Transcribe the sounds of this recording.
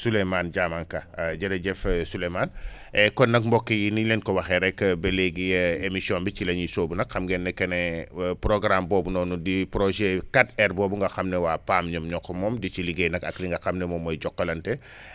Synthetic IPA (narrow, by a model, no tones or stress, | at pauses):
sulɛmanɟamankɐɟɐɾɐɟɛfsulɛman | ɛkɔnːɐk̚mbɔkːijinilɛnkɔwɐxɛɾɛkːbɐlɛɡijɐemisiɔnbit͡ʃilɐɲisoːbunɐkxɐmɡɛnːɛkɐnɛpɾɔɡɾambɔːbunɔːnudipɾɔʒɛkatɛrbɔːbuŋɡɐxɐmnɛwaːpaːmɲɔmɲɔkːɔmɔːmdit͡ʃiliɡɛnɐkɐ̰kliŋɡɐxɐmnɛmɔmːɔjɟɔkːɐlɐntɛ